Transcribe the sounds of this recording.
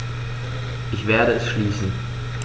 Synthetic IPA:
ʔɪçv̥eːɐɾəɛsʃliːsn̩

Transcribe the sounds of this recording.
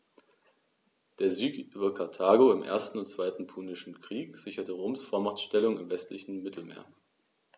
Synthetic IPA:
d̥eːɐzyːkʔyːbɐkʰaɐtʰaːɡoɪmʔḛːɐstn̩ʊntt͡sv̥aɪtn̩pʰuːnɪʃn̩kʁ̥iːkz̥ɪçɐtəʁoːmsfoɐmaʁtʃtɛlʊŋɪmvɛstlɪçn̩mɪtʰl̩mḛːɐ

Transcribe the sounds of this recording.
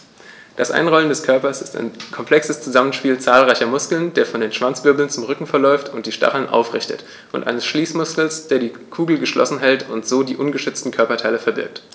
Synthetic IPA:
d̥asʔa̰ɪnʁɔləndɛskʰœɐpɐsɪsta̰ɪnkʰɔmpʰl̥ɛksəst͡suzamənʃpiːlt͡saːlʁaɪçɐmʊskl̩nd̥eːɐfɔndeːnʃv̥ant͡sv̥ʏɐbl̩nt͡sʊmʁʏkŋ̩fɛɐlɔʏftʰʊnt̚d̥iːʃta̰χl̩nʔa̰ʊfʁɪçtə̰t | ʔʊntʔa̰ɪnəsʃliːsmʊskl̩sd̥eːɐdiː | kʰuːɡl̩ɡəʃlɔ̰sn̩ɦɛltʰʊntz̥oːdiːʔʊnɡəʃʏt͡stn̩kʰœɐpɐtʰaɪləfɛɐbɪ̰ɐk̚t

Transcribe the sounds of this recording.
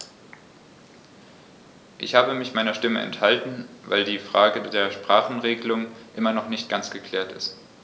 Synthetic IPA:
ʔɪçhaːbəmɪçmaɪnɐʃtɪməʔɛ̰nthaltn̩va̰ɪldiːfʁ̥aːɡədeːɐʃpʁ̥aːχn̩ʁeːɡəlʊŋʔɪmɐnɔχnɪçt̚ɡ̥ant͡sɡ̥əkʰl̥ɛːɐtɪ̰st

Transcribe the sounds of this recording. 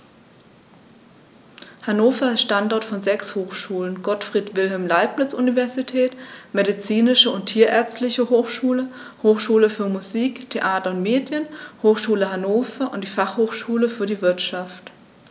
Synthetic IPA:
hanoːfɐɪstʃtantɔɐtfɔnzɛkshoːxʃuːlənɡ̥ɔtfʁ̥iːtv̥ɪlɦɛlmlaɪp̚nɪt͡sʔṵnivɛɐzitʰɛːtmeɾit͡siːnɪʃəʊntʰiːɐʔɛɐt͡stlɪçəhoːxʃuːlə | hoːxʃuːləfyːɐmuziːktʰeʔaːtɐʊntmeːdjənhoːxʃuːləhanoːfɐʔʊnt̚d̥iːfaχhoːxʃuːləfyːɐɾiːvɪɐtʃaft

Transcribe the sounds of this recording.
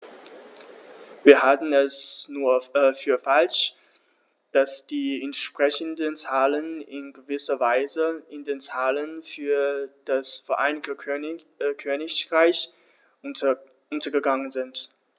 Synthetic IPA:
viːɐhatn̩ɛsnuːɐfyːɐfalʃ | d̥asd̥iːɛntʃpʁ̥ɛçəndənt͡saːlənɪnɡəvɪsɐvaɪzəɪndeːnt͡saːlənfyːɐd̥asfɛɐʔa̰ɪnɪɡtə | kʰøːnɪçʁaɪç | ʊntɐɡəɡaŋənzɪnt

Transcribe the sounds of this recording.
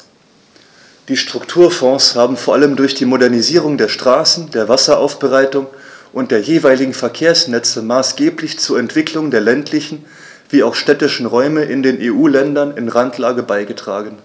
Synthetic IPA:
d̥iːʃtʁ̥ʊktʰuːɐfɔ̃ːshaːbm̩foːɐʔaləmdʊɐçd̥iːmodɛɐniziːʁ̞ʊŋdeːɐʃtʁ̥aːsn̩deːɐvasɐʔa̰ʊfb̥əʁaɪtʊŋʔʊnt̚d̥eːɐjeːvaɪlɪɡŋ̩fɛɐkʰeːɐsnɛt͡səmaːsɡ̥eːplɪçt͡suːɐɛntv̥ɪklʊŋdeːɐlɛntlɪçn̩ | v̥iːaʊxʃtɛtɪʃn̩ʁɔʏməʔɪndeːnʔeːʔuːlɛndɐnɪnʁantʰlaːɡəbaɪɡətʁ̥a̰ːɡən̩

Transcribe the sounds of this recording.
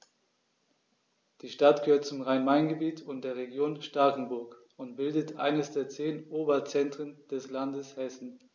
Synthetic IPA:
d̥iːʃtat̚ɡ̥əhøːɐt̚t͡sʊmʁaɪnmaɪnɡəbiːtʰʊnt̚d̥eːɐʁeɡjoːnʃtakn̩bʊɐk | ʊntb̥ɪldətʔa̰ɪnəsd̥eːɐt͡seːnʔoːbɐt͡sɛntʁ̥ənd̥ɛslandəshɛsn̩

